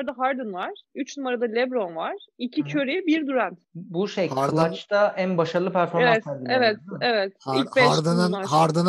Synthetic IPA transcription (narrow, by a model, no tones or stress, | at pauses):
d̪aɦaɾd̪ɯnvaɾ̥yt͡ʃnumaɾad̪alʲɛbɾo̞nvaɾ̥icʰicʰøɾibiɾd̪yɾænt̪buʃej̪at͡ʃt̪ʰaʔænbaʃaɾɯlˠɯpʰæɾfo̞ɾvaɛt̪sæɾd̪ievɛt̪evɛt̪ilbɛɾd̪ɯnɯaɦaɾd̪ɯn